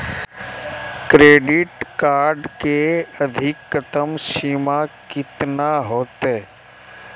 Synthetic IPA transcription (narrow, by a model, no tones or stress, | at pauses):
kɾeːɖɪʈkaːɾɖkeɐd̪ʱɪkːət̪əmsiːmakɪt̪naɦoːt̪ɦeː